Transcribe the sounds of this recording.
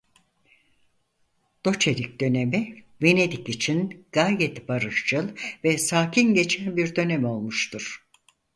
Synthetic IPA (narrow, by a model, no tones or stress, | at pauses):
d̪̥o̞t͡ʃʰe̞ɾik̚d̪ø̞ne̞mi | ve̞ne̞d̪ikit͡ʃʰinɡ̥aːjɛt̪baɾɯʃt͡ʃʰɯlˠvɛsaːcʰinɟe̞t͡ʃʰænbiɾd̪ø̞nɛmo̞lˠmuʃt̪ʰuɾ̥